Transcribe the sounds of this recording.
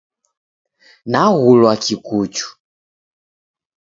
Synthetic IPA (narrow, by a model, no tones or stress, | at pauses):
naɣulwakikut͡ʃu̥